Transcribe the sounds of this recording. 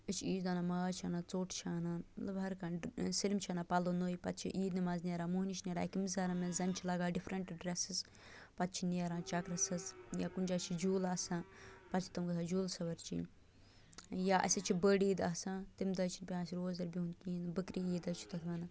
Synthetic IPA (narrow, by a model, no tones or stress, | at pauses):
ət͡ʃʰiːd͡ʒd̪ɐnamaːt͡ʃʰɐnat͡soːʈʰt͡ʃʰaːnanlɐbɐɾkɐnsilʲmt͡ʃʰɐnaːpɐloːnoːjpɐ̰t̪̚t͡ʃʰḭʔiːd̪nimaznʲeɾaːmuɦnit͡ʃʰnʲeːɾã̰ːkimizaːɾɐmenzɐnt͡ʃʰilɐɡaːɖifʰɾɐɳʈɖɾesɨz | pɐt̪̚t͡ʃʰineɾãːt͡ʃakɾɐsɐzjaːkunʲd͡ʒaːt͡ʃʰid͡ʒuːlɐsãpɐt͡ʃʰi̥t̪ɐmɡɐsʰad͡ʒuːlsɐʋɐɾt͡ʃḭnʲ | jaʔɐ̰sʲɐt͡ʃʰibəɖiːd̪ɐsat̪imd̪ɐːt͡ʃʰinʲpʲãːsiɾoːzɐɾbiɦunt̪iːnbəkɾiiːd̪ɐt͡ʃʰi̥t̪ɐt̪ʰʋɐnɐ